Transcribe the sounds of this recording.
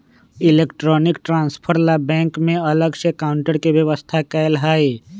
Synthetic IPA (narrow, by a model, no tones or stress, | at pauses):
ɪleːkʈɾɔnɪkʈɾãːnspʰəɾlabɛ̃ːŋkmẽələɡʃekaʊɳʈəɾkebjəʋəst̪ʰakɛlɦaːi